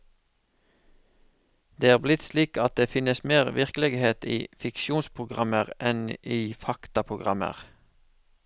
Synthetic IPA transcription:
d̪eːæːʁblɪt̪sliːkɑt̪̚d̪eːfɪnəsmeːʁʋɪʁkəlɛɡheːt̪ḭːfɪkʃuːnspʰʁʊɡʁɑ̰məʁɛniːfɑkt̪ɑpʰʁʊɡʁɑmə̰ʁ

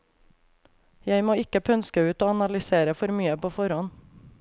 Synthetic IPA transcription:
jæɪmoːɪkəpʰœnskəʉːt̪oːɑnɑlʏseːɾəfɔɾmyːəpoːfɔɾɔn

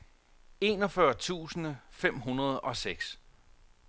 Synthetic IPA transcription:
e̝̰ːnɒ̽fɶɐt͡sʰṵːsənəfem̰ɦunɐð̞̩ˠɒ̽seɡ̥s

